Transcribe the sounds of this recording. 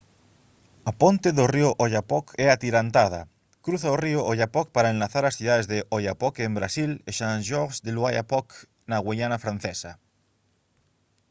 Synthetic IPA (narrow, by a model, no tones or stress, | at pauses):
apont̪eðorioʔoʎapɔkɛat̪iɾant̪að̞a̰ | kɾuθaorioʔoʎapɔk̚paɾaenlaθaɾasθjuðaðezðeʔojapɔkembɾasileʃanʒoɾsd̪eluaja̰pɔk | naɣweʎanafɾãn̟θesa